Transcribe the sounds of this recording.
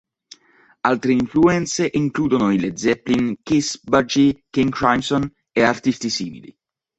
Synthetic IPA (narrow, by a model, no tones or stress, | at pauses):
alt̪ɾeiɱfluɛnt̪seʔiŋkluːd̪onoiled̪zɛplinkisbad͡ʒikiŋkɾajmsɔn | eart̪ist̪isḭːmḭlḭ